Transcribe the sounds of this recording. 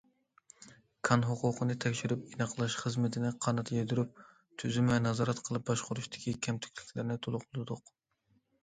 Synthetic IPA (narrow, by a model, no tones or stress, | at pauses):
kʰɑnɦʊqʊqʰənɨt̪ʰɛkʲʃiɾypinɑqlˠɑʃχəzmɪt̪ʰɪnɪqʰɑnɑt̪ʰjed̪yɾyp̚ | t̪ʰyzymvɛnɑzɑːɾɑt̪qʰəlˠɨp̚bɑʃqʊɾuʃt̪ʰɪ̥kʲikʲʰɛmt̪ʰy̥kʲlɪkʲlɪɾnɪt̪ʰolˠʊqʊlˠɨd̪ʊq